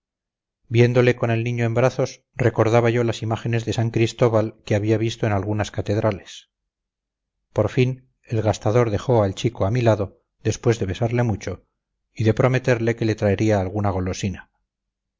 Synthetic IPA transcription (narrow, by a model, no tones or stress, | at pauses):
bje̞nd̪o̞le̞ko̞ne̞lnĩɲoembɾaθo̞s | re̞ko̞ɾðaβaʝo̞lasimaχe̞ne̞zðe̞saŋkɾist̪o̞βalkeaβiaβist̪oenalɣunaskat̪e̞ðɾale̞s | po̞ɾfin | e̞lɣast̪aðo̞ɾðe̞xo̞alt͡ʃikoamilaðo̞ | ðe̞spwe̞zðe̞βe̞saɾle̞mut͡ʃo̞ | iðe̞pɾo̞me̞t̪e̞ɾle̞ke̞le̞t̪ɾaeɾiaːlɣ̞unaɣ̞o̞lo̞sina